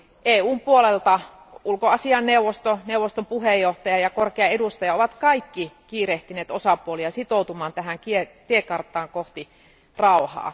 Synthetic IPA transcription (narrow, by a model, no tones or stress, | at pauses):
ʔeːuːmpuolelt̪ɑ | ulkoɑsiɑnːeuʋːost̪oneuwʋːˑost̪ompuhejoht̪ɑjɑjɑkorkeɑedust̪ɑjɑoʋɑt̪kɑikːikiːreht̪yneːt̪osɑpuoliɑsit̪oˑut̪umɑːnt̪æɦæŋkiet̪iekɑrt̪ˑɑːŋkoht̪i | rɑˑuhɑ̰ː